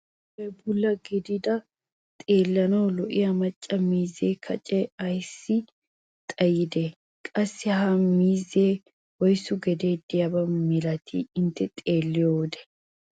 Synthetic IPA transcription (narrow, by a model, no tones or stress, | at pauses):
bɛbʊlːɐɡɪd̪ɪd̪ɐ | t̪ʼe̞ːlːɐnɐwlɔʔɪjɐmɐt͡ʃʼːɐmiːzeːkʰɐt͡ʃʼɛɐjsːɪ | t̪ʼɐjɪd̪ɛ | kʼɐsːɪɦɐmiːzːeː | wɔjsːʊɡɛd̪e̞ːd̪ɪjɐbɐmɪlɐt̪ʰɪ̰ɪnt̪ːɛt̪ʼe̞ːlːɪjowd̪ɛ̥